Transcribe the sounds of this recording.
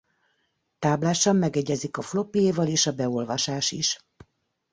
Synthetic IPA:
t̪aːblaːʃɒmːɛɡɛɟɛzikɒflo̞pijeːvɒleːʃɒbɛo̞lvɒʃaːʃḭʃ

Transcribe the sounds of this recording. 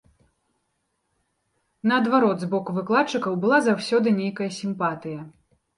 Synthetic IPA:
nɐɐd̪vaɾɔd̪zbɔkuvɨklˠat͡ʂːɨkɐwbɨlˠazawsʲɔd̪ɨnʲejkɐjɐsʲimpat̪ɨjɐ

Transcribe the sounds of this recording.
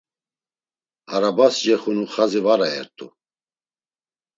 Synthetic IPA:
haɾabasd͡ʒɛχunuχazivaɾaɛ̰ɾt̪ʼṵ

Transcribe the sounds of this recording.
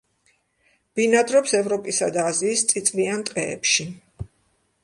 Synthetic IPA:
b̥inad̪ɾɔpsɛvɾɔpʼisad̪aːziːst̪sʼit̪sʼviant̪ʼqʼɛɛ̰pʃi

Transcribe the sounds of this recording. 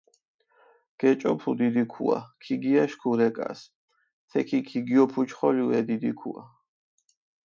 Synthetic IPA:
ɡ̥ɛt͡ʃʼɔpʰud̪id̪ikʰṵa̰kʰiɡiaʃkʰuɾɛkʼa̰s | t̪ʰɛkʰikʰiɡiɔpʰut͡ʃʰχɔliuɛd̪id̪ikʰṵa̰

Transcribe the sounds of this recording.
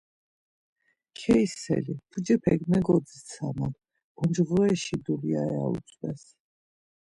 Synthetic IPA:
kʰɛisɛ̰lipʰud͡ʒɛpʰɛɡmɛɡɔd̪zit̪sʰaman | ɔnd͡ʒʁlɛɛʃid̪uliaɛa̰ṵsʰʼwɛs

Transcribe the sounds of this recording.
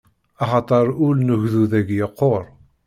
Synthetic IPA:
ɑχɑt̪ˤɑɾˤʊlnəʝðuðæɡjəqːoɾˤ

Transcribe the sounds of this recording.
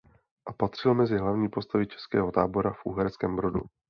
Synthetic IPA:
ʔapat̪r̝̥ɪlmɛzɪɦlavɲiːpo̞st̪avɪt͡ʃɛ̥skɛːɦo̞t̪aːbo̞ɾafʔṵːɦɛɾskɛːmbɾo̞dṵ

